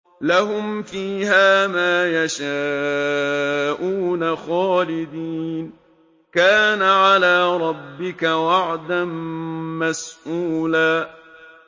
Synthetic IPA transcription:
laɦʊmfiːhaːmaːjaʃaː | ʔuːnaxaːlɪd̪iːn | kaːnaʕalaːɾˤɑbːɪkawaʕd̪anmasʔuːlaː

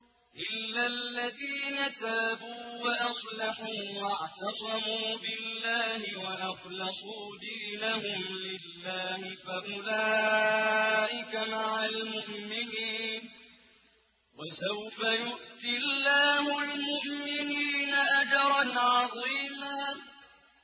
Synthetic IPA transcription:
ʔɪlːalːaðiːnat̪aːbuːwaʔɑsˤlɑħuːwɑʕt̪ɑsˤɑmuːbɪlːaːhɪwaʔɑqlɑsˤuːd̪iːnahʊmlɪlːaːhɪfaʔʊlaː | ʔɪkamaʕalmʊʔmɪniːn | wasawfajʊʔt̪ɪlːaːhʊlmʊʔmɪniːnaʔad͡ʒɑɾˤɑnʕɑðˤiːmaː

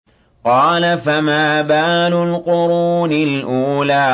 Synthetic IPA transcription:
qɑːlafamaːbaːlʊlqʊɾuːnɪlʔuːlaː

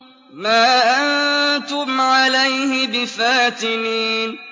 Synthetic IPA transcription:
maːʔant̪ʊmʕalajhɪbɪfaːt̪ɪniːn

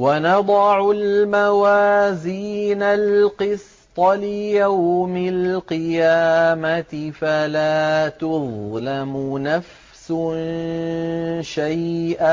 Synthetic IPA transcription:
wanɑd̪ˤɑʕʊlmawaːziːnalqɨs | t̪ˤɑlɪjawmɪlqɨjaːmat̪ɪfalaːt̪ʊðˤlamʊnaf | sʊn | ʃajʔa

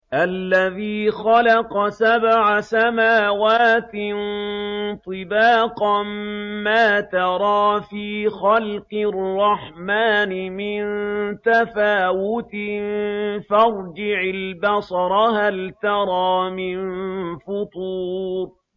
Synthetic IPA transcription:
ʔalːaðiːxɑlɑqɑsabʕasamaːwaːt̪n | t̪ˤɨbaːqɑmːaːt̪ɑɾˤɑːfiːxɑlqɨrːɑħmaːnɪmɪnt̪afaːwʊt̪ɪ | fɑɾˤd͡ʒɪʕɪlbɑsˤɾˤɑhalt̪ɑɾˤɑːmɪnfʊt̪ˤuːɾ

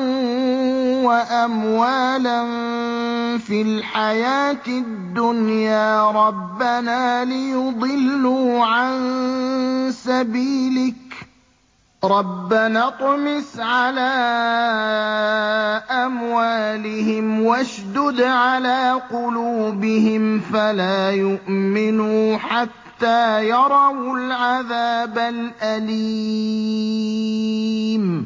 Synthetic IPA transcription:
waʔamwaːlan | filħajaːt̪ɪd̪ːʊnjaːɾˤɑbːanaːlɪjʊd̪ˤɨlːuːʕan | sabiːlɪk | ɾˤɑbːanat̪ˤmɪsʕalaː | ʔamwaːlɪhɪmwaʃd̪ʊd̪ʕalaːqʊluːbɪhɪmfalaːjʊʔmɪnuːħat̪ːaːjɑɾˤɑwlʕaðaːbalʔaliː | m

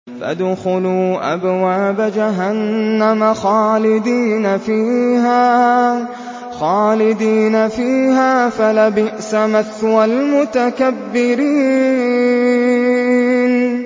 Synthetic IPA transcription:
fa̰d̪ʊxʊluːʔa̰bwaːbad͡ʒaɦanːamaxaːlɪd̪iːnafiːhaː | xaːlɪd̪iːnafiːhaːfalabɪʔsamaθwalmʊt̪akabːɪɾiː | n

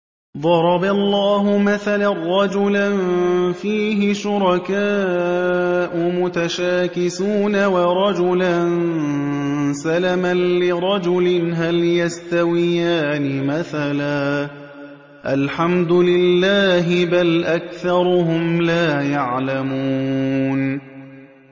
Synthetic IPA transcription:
ðˤɑɾˤɑbalˤːaːɦʊmaθalarˤːɑd͡ʒʊlanfiːɦɪʃʊɾˤɑkaː | ʔʊmʊt̪aʃaːkɪsuːnawɑɾˤɑd͡ʒʊlan | salamanlɪɾˤɑd͡ʒʊlɪnɦaljast̪awɪjaːnɪmaθalaː | ʔalħamd̪ʊlɪlːaːɦɪbalʔakθɑɾˤʊhʊmlaːjaʕlamuːn

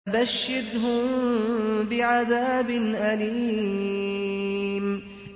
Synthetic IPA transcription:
baʃːɪd̪ɦʊm | bɪʕaðaːbɪnʔaliː | m

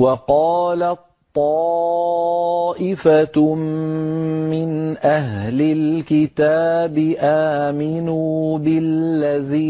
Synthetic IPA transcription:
wɑqɑːlatt̪ˤːɑ | ʔɪfa | mɪnʔaɦlɪlkɪt̪aːbɪʔaːmɪnuːbɪlːaðiː

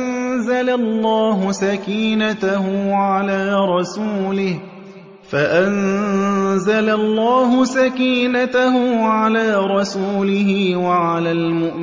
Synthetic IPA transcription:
nzalalˤːaːɦʊsakiːnat̪ahʊʕalaːɾˤɑsuːlɪh | faʔan | zalalˤːaːɦʊsakiːnat̪ahʊʕalaːɾˤɑsuːlɪhɪwaʕalaːmʊʔm

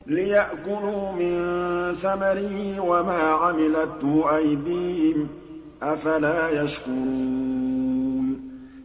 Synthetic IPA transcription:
lɪjaʔkʊluːmɪnθamaɾɪhwamaːʕamɪlat̪ʊʔajd̪iːhɪm | ʔafalaːjaʃkʊɾuː | n

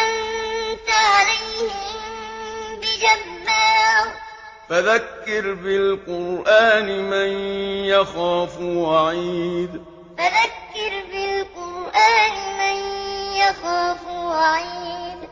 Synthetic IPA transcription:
ʔant̪aʕalajhɪmmbɪd͡ʒabːaɾa | faðakːɪɾbɪlqʊɾʔaːnɪmanjaxaːfwaʕiːd̪ | faðakːɪɾbɪlqʊɾʔaːnɪmanjaxaːfwaʕiːd̪

